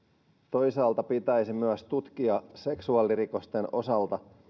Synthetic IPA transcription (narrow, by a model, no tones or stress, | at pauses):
t̪o̞jsɑːlt̪ɑpit̪æjsimyæst̪ut̪k̟iɑse̞ksuɑːliɾiko̞st̪e̞no̞̰sɑlt̪ɑ